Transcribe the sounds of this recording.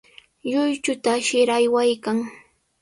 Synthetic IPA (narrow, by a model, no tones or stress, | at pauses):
ʎʊjt͡ʃʊt̪aʃɪɾajwajkaŋ